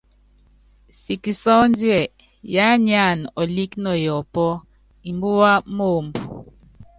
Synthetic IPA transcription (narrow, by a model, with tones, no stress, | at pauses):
si˨ki˨sɔ˦n˦djɛ˨ | ja˦ɲa˦˨nɔ˨li˦knɔ˨jɔ˨pɔ˦ | i˨mbu˦wa˦mo˦˨mbu˨